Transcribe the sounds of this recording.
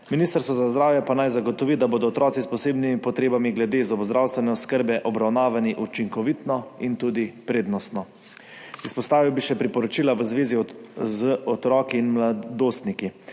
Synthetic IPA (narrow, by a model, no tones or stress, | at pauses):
miniːst̪əɾst̪ʋɔzazd̪ɾaːwjɛpanajzaɡɔt̪ɔʋid̪aboːd̪ɔːt̪ɾɔːt̪sispɔseːbnimipɔt̪ɾeːbamiɡlɛd̪eːzɔbzd̪ɾaːwst̪ʋɛnɛɔskəɾbɛʔɔbɾawnaːʋaniʔut͡ʃiŋkɔʋit̪nɔint̪uːd̪ipɾeːd̪nɔst̪nɔ | ispɔst̪aːʋiwbiʃɛpɾipɔɾɔt͡ʃiːlaʋəzʋeːzizəɔt̪ɾɔːkiːnmlad̪oːst̪niki